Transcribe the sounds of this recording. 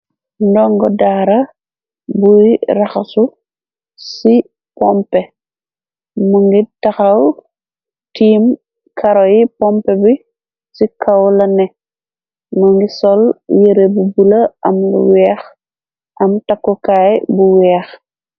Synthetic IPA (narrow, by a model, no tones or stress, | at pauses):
ndɔŋɡɔdaːɾɐ | bujɾɐxɐsu | si | pɔmpɛ | muŋɡitɐxɐw | tiːm | kʰɐɾɔjipɔmpɛbi | sikɐwlɐnɛ | muŋɡisɔljəɾebubulɐɐmlṵwɛːx | ʔɐmtakːɔkaːjbuwɛːx